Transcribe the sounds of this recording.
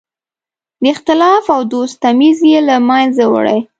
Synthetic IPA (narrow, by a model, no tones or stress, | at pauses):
d̪əɪxt̪ɪlɑfawd̪ost̪amizjelamanzawə̰ɽə̰j